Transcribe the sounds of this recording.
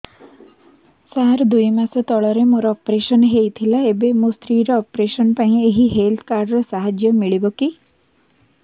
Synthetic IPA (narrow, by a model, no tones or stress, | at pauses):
saɾd̪ujmasɔt̪ɔɭɔɾemoɾɔːpɾesɔnɦejt̪ʰilaebemost̪ɾiːɾɔːpɾesɔnpaĩeɦiɦelt̪ʰkaɾɖɾɔsaɦad͡ʒjɔmiɭibɔki